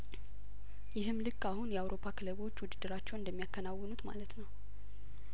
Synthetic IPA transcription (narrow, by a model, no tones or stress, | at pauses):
jɪɦɨmːlɨkʼːahunjɛawɾo̞pʰːakʰɨləβo̞t͡ʃːwʊd̪ɨd̪ːɨɾat͡ʃːɛwnɨnd̪əmːijakːənawːənut̪ma̰lət̪nəw